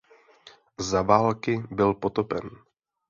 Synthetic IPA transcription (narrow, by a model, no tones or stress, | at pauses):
zavaːlkɪbɪlpo̞t̪opɛn